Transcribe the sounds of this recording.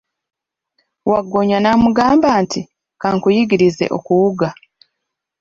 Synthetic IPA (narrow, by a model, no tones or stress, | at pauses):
waɡːoɲanamuɡaːmbaːntʰi | kaːŋkujiɡiɾize̞̰ʔo̞̰kuwuɡa